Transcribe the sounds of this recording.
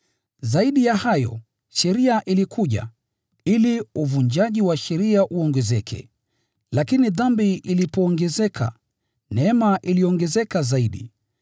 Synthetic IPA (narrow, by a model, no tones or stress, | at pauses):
zaiɗijahajɔ̰ | ʃɛɾiaʔilikʰuʄa̰ | iliuvund͡ʒaʄiwaʃɛɾiaʔuɔŋɡɛzɛkʰɛ̰ | lakiniðambiʔilipɔːŋɡɛzɛkʰa̰ | nɛɛmaʔiliɔŋɡɛzɛkazaiɗḭ